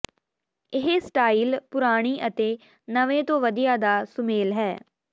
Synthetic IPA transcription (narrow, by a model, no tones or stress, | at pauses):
ɪɦesʈaːiːlpʊɾaːɽ̃iːʔət̪eː | nəʋẽːt̪õːʋəd̪ijaːd̪aːsʊmeːlɦɛː